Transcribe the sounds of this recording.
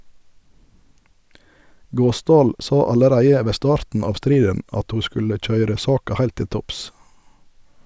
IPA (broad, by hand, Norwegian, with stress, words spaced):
ˈɡoːˌsdɑːl ˈsɑ ɑləˈɾæɪə ˈʋeː ˈstɑːɾtn̩ ˈɑːʋ ˈstɾiːdən ˈɑt ˈhuː ˈskʉlə ˈc͡çœʏɾə ˈsɑːkɑ ˈhæɪlt ˈtɪl ˈtɔps